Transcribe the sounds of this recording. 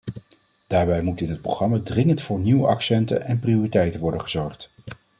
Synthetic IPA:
d̥aːɹbɛjmutɪnɦət̚proχrɑmadrɪŋəntfʊːɹniwəʔɑksɛntə̰nɛnpriʊːritɛjtənʋɔɹdənχəz̥ɔɹχt

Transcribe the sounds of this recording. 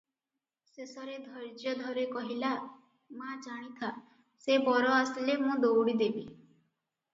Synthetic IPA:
sesɔɾed̪ʱɔɾd͡ʒjɔd̪ʱɔɾekɔɦila | mãd͡ʒaɽ̃it̪ʰa | sebɔɾɔaslemũd̪owɽid̪ebi

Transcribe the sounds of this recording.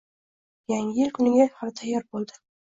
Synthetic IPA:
jaŋɪjɪlkʰʊnɪɡʲahalt̪ʰajːɒɾbolˠd̪ɪ̥

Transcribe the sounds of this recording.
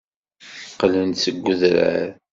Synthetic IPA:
qlənsəɡʷːʊðɾæ̰ɾ

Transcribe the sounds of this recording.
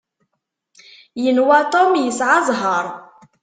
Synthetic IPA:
jənwæt̪ˤomjəsʕɑzˤɦɑɾˤ

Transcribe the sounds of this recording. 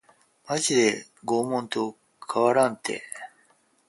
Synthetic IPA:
maʑid̪e̞ | ɡo̞ːmõ̞nt̪o̞ | kʰaβaɾãnt̪e̞̰

